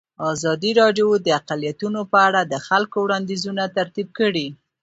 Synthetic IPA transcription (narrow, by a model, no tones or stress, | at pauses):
ɑzɑd̪iɾɑɖjod̪əaqalijat̪unopəaɽad̪əxalkowɽɑnd̪izunat̪aɾt̪ib̚kəɽi